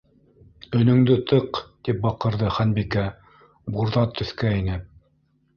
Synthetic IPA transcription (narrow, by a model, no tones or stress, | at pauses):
ɵ̆nɵ̆ŋd̪ɵt̪ʰɤqt̪ip̚bɑqɤ̆ɾðɤχænbikæ | buɾðɑt̪ʰːɵ̆θkæinɘ